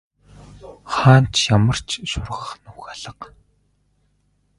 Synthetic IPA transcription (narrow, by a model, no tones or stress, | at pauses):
χaːn̥t͡ɕjamə̆r̥t͡ɕʰʃʊrʁə̆χnuxaɮə̆q